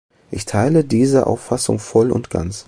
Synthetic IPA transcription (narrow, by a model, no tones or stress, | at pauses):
ʔɪçtʰaɪlədiːzəʔa̰ʊfasʊ̰ŋfɔlʊ̰ntɡ̥a̰nt͡s